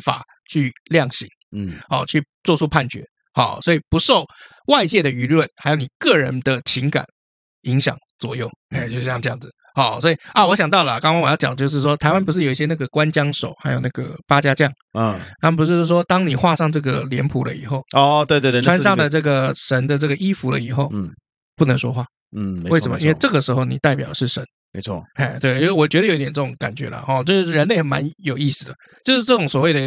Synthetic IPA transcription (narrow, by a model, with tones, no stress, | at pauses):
fa̰˨˩ | t͡ɕʰy˥˧ljɑ˥˩ŋɕḭ˧˥ŋɔ˥˧t͡ɕʰy˥˩t͡swɔ˥˧ʈ͡ʂʰu˥pʰa˥˩nt͡ɕɥɛ̰˧˥ | xɑ̰˨˩swɔ˧˥i˨˩pu˧˦˥ʂo˥˧ʊ | wa˥˧ɪt͡ɕjɛ˥˩d̪ə˩y˧˥lwə˥˩nxa˧˥jo˧˥ʊni˨˩kɤ˥˩ɻə̰˧˦nd̪ə˧t͡ɕʰi˧˥ŋka̰˨˩˦n | i˧˥ŋɕjɑ̰˨˩ŋt͡swɔ̰˨˩jo˥˩ʊ˧˩˥jɑ˥˧ʈ͡ʂɤ˥˧jɑ˥˩ŋd͡z̩˨˩ | xɑ˥˩swɔ˧˥i˨ɐ˥˩wɔ˧˥ɕjɑ˨˩ŋt̪ɑ˥˩ʊlə˨˩kɑ˥ŋkɑ̃˥ŋwjɑ˥˩t͡ɕɑ̰˨˩d̪ət͡ɕjo˥˧ʊʂ̬ɻ̩˥˩ʂwɔ˥t̪ʰa˧˥ɪwa˥np̬u˧˥ʂɻ̩˥˩jo˨˩i˧ɕjɛ˥na˥˩ɡə˩kwa˦nt͡ɕjɑ˥ŋʂo̰˨˩ʊxa˧˥ɪjo˨˩ʊna˥˩ɡə̰˩pa˥t͡ɕja˥t͡ɕjɑ˥˩ŋ˥˧˩na˥p̬u˧˥˧ʂwɔ˥t̪ɑ˥ŋni˨˩xwa˥˧ʂɑ˥˧ŋʈ͡ʂɤ˥˩ɡə˩ljɛ˧˥npʰu˨˥lə̰˧ḭ˨˩xo˥˩ʊɔ˥˧t̪we˥˧t̪we˥˧ʈ͡ʂʰa˥nʂa˥˩d̪ə˨ʈ͡ʂɤ˥˩ɡə˩ʂə˧˥nd̪ə˨˧ʈ͡ʂɤ˥˩ɡə˩ʔi˥fu˧˥lə̰˧i˨˩xo˥˩ʊ | pu˥˩nə˧˥ŋʂwɔ̰˥xwa˥˩˥ | we˥ɪsə˧˥mə̰˦i˦˥we˥˧ɪʈ͡ʂɤ˥˩ɡə˩ʂɻ̩˧˥xo˥˩ʊni˨˩t̪a˥˩ɪpjɑ˨˩ʊə˩ʂɻ̩˥˩ʂə˧˦n | me˧˦ɪt͡sʰwɔ̰˥˩ɛ˥˩t͡ɕ̪we˥˩ɪt͡ɕo˥˧ʊʂɔ˨˩t͡ɕɥɛ˧˥də˧o˨˧˦i˥t̪jɛ˨˩nʈ͡ʂə˥˩ʈ͡ʂʊ˨˧˦ŋka̰˨˩nt͡ɕɥɛ̰˧˥lə̰˨xɔ˥˧t͡ɕo˥˧˥ɻə˧˦nle˥˩ɪxma̰˧˦njo˨˩ʊi˥˩sɹ̩˨˩lə˩ | t͡ɕjo˥˧ʊʂɻ̩˥˧ʈ͡ʂɤ˥˩ʈ͡ʂʊ˨˩ŋswɔ˨˩we˥˩ɪd̪ə˩